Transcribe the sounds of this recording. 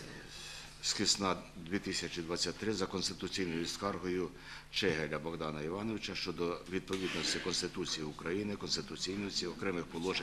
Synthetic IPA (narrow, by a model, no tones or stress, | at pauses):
sxʲɪsnɑd̪ʲʋʲit̪ɪsʲɐt͡ʃʲid̪ʋɑt͡sʲːatʲt̪ːɾɪzɐkɔnst̪ɪ̥t̪ʊt͡sʲijnɔjʊskɑrɦɔjʊ | t͡ʃɛɦelʲɐbɔɣd̪ɑnɐiʋɑnɔʋɪt͡ʃɐʃt͡ʃɔd̪ɔʋʲid̪̚pɔʋʲid̪nɔsʲtʲɪkɔnst̪ɪt̪ut͡sʲijiʊkɾɐjinɪkɔnst̪ɪt̪ʊt͡sʲijnɔjʊt͡sʲiɔkɾɛmɪxpɔlˠɔʒe